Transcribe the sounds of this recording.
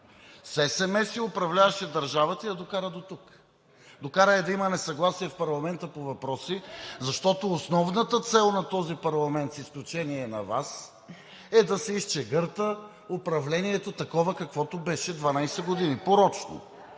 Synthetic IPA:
sɛsɛmɛsiʊpɾɐvlʲavɐʃɛd̪ɐɾʒavɐt̪əid̪ɐd̪okaɾəd̪ot̪uk | d̪okaɾəɛd̪ɐimənɛsɐɡlˠasiɛfpɐɾlˠɐmɛnt̪əpovɐpɾɔsizɐʃt̪ɔt̪oːsnɔvnət̪ət̪sɛlˠnɐt̪ɔzipɐɾlˠɐmɛnt̪sisklʲut͡ʃɛniɛnɐvas | ɛd̪ɐsɛist͡ʃɛɡɤɾt̪ə | opɾɐvlɛniɛt̪ot̪ɐkɔvəkɐkvɔt̪obɛʃɛd̪vɐnajsɛɡod̪inipoɾɔt͡ʃno̰

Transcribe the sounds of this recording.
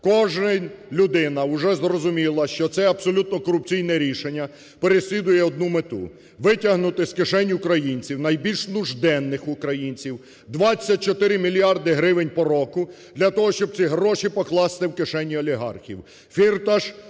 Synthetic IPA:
kɔʒnɪlʲʊd̪ɪnɐʊʒɛzrɔzʊmʲilˠɐʃt͡ʃɔt̪sɛɐb̥sɔlʲut̪nɔkɔɾʊp̚t͡sʲijnɛɾʲiʃenʲːɐ | peɾesʲlʲid̪ʊjɛɔd̪̚numet̪ṵ | ʋɪtʲɐɦnʊt̪ɪskɪʃɛnʲʊkɾɐjinʲt͡sʲiwnɐjbʲilʲʃnʊʒd̪ɛnːɪxʊkɾɐjinʲt͡sʲiw | d̪ʋɑt͡sʲːɐt̚ʲt͡ʃɔt̪ɪɾɪmʲilʲijɑrd̪ɪɦɾɪʋɪnʲpɔɾɔkʊd̪lʲɐt̪ɔɦɔʃt͡ʃɔb̚t͡sʲiɦɾɔʃipɔklˠɑst̪ɪwkeʃɛnʲːiɔlʲiɦɑ̰rxʲiw | fʲirt̪ɐʃ

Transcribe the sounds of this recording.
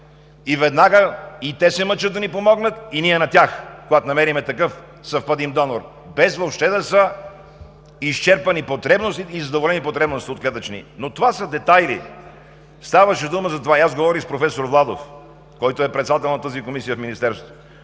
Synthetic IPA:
ivɛd̪naɡəit̪ɛsɛmət͡ʃəd̪ːɐnipomɔɡnət̪iniɛnɐt̪ʲaxkoɡat̪onɐmɛɾimɛt̪ɐkɤf | sɐfpad̪imd̪ɔnoɾ | bɛzvopʃt̪ɛd̪ɐsə | ist͡ʃɛɾpɐnipot̪ɾɛbnost̪it̪izɐd̪ovolɛnipot̪ɾɛbnost̪iot̪̚klʲɛt̪ət͡ʃnḭnot̪ovasəd̪ɛt̪ajlḭ | st̪avəʃɛd̪uməzɐt̪ovaiazɡovɔɾixspɾofɛsoɾvlˠad̪o̰f | kɔjt̪oɛpɾɛt̪sd̪at̪ɛlˠnɐt̪əzikomisijəfminist̪ɛɾsvot̪oo

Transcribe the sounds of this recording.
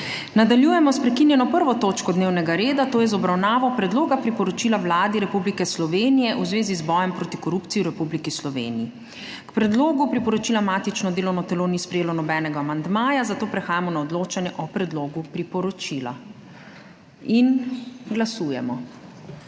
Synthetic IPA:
nad̪aljuːjɛmɔspɾɛkinjɛnɔpəɾʋɔt̪oːt͡ʃkɔd̪neːwnɛɡaɾeːd̪at̪oːjɛzɔbɾawnaːʋɔpɾɛd̪loːɡapɾipɔɾɔt͡ʃilawlaːd̪iɾɛpublikɛslɔʋeːnijɛʔuzʋeːzizbɔːjɛmpɾoːt̪ikɔɾupt̪siuɾɛpublikislɔʋḛːnii | kpɾɛd̪loːɡupɾipɔɾɔt͡ʃilamaːt̪it͡ʃnɔd̪eːlɔwnɔt̪ɛloːnispɾɛjeːlɔnɔbɛnɛɡaːmand̪maːjazat̪oːpɾɛxaːjamɔnaɔd̪loːt͡ʃanjɛʔɔpɾɛd̪loːɡupɾipɔɾɔt͡ʃila̰ | inɡlasujɛ̰mɔ

